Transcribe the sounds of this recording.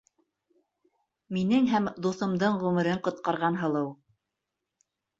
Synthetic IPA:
minɘŋɦæmd̪uθɤ̆md̪ɤɴʁʉmɘ̆ɾɘɴqŏt̪̚qɑɾʁɑnɦɤ̆lˠɤw

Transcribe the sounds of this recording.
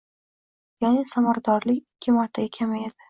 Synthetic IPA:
janɪsamaɾad̪ɒɾlɪkʲɪkʲʰːɪmaɾt̪ʰaɡʲakʲʰamaed̪̥ɪ

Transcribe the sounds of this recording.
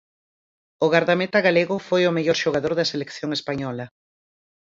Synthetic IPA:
ʊɣaɾðamet̪aɣaleɣʊfojomeʎɔɾʃoɣaðoɾðɐselekθjoŋespaɲɔlɐ

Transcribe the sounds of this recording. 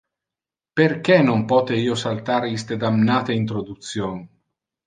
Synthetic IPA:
perk̟ɛnompɔːt̪eiːosalt̪aːɾist̪ed̪amnaːt̪eint̪ɾod̪ut̪sːjoːn

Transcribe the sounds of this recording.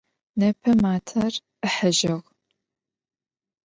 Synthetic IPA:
nɐpʰɐmaːtʰɐr | əħəʒɪʁ

